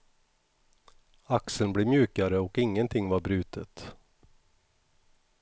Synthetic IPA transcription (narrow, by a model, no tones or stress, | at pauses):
aksəlnbleːmjʉːkaɾəɔkɪŋːənt̪ʰɪŋːvaɾbɾʉ̟ːt̪ət̪